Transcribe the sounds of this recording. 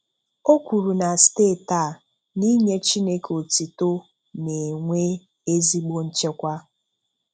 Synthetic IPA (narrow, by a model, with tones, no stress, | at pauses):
o˦kʷu˨ɾu˨na˨steː˦˨ta˦˨ | ni˦ɲe˦t͡ʃi˦ne˦ko˨ti˨to˦ | ne˨ŋʷe˦ | e˦zi˦ɡ͡bo˦n̩˦t͡ʃe˦kʷa˦